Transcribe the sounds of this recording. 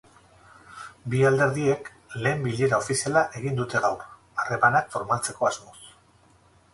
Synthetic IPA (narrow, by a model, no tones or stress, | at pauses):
biald̪e̞ɾðie̞k | le̞ːmbiʎe̞ɾao̞fisialaʔe̞ɣ̞ind̪ut̪e̞ɣawr | are̞manakfo̞ɾmalt͡se̞ko̞azmo̞s